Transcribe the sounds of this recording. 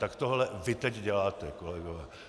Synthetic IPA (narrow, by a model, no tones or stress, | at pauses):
t̪akt̪oɦlɛvɪt̪ɛɟɟɛlaːt̪ɛkolɛɡovɛː